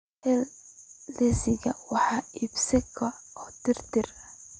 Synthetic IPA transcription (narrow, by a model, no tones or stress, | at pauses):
hɛlː | ɛsɪɣɐwɑħɑːiːbsɛkʰɐɔːt̪ɪrt̪ɪrɐ